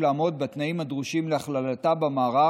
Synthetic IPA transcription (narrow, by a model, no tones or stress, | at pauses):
laːmo̞d̪̚bet̪naimad̪ʁuʃimleaχlalat̪abamaːʁa